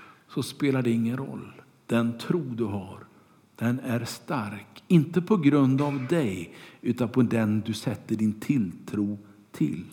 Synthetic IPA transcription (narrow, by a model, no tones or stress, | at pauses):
sɔspeːlaɖɛɪŋːənɾɔ̰lː | d̪̥ɛnt̪ʰɾuːd̪ɵɦaɾ | d̪̥ɛnæɾst̪aɾkɪnt̪əpʰɔɡɾɵnd̪avd̪ɛjʉ̟ːt̪anpʰɔd̪ɛnd̪ɵsɛt̪ːəɖɪnt̪ʰɪlt̪ʰɾuː | t̪ʰɪ̰l